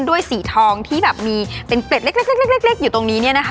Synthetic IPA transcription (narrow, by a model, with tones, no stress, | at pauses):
ndu˥˩əjsiː˩˦t̪ʰɔː˧ŋt̪ʰiː˥˩bɛː˨˩p̚miː˧pe˧nkle˨˩t̪̚le˦˥˩le˥˩le˥˩l̚e˥˩k̚le˦˥˩k̚juː˨˩t̪o˧ŋniː˦˥ni˥˩ɐna˦˥kʰ